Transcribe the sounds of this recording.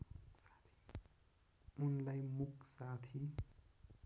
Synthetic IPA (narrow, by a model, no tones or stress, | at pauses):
t̪ʰ | unlajmuksat̪ʰi